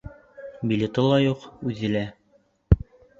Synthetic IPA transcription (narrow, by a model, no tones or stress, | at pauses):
bʲilʲet̪ɤlˠɑjuqʉðːɘ̆læ